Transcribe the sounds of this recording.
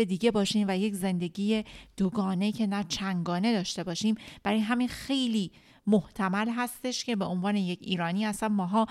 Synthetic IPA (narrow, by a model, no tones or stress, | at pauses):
ed̪iːɟe̞bɒːʃiːmvæje̞cze̞nd̪e̞ɟiːje̞d̪̥oɡɒːnecʰe̞næt͡ʃʰæŋɡɒːne̞d̪ɒːʃt̪e̞bɒːʃiːmb̥æɾijɦæminxe̞jliː | moht̪ʰæmælɦæst̪e̞ʃcʰe̞be̞onvɒːne̞je̞cʰiːɾɒːniːæsænmɒːɦɒː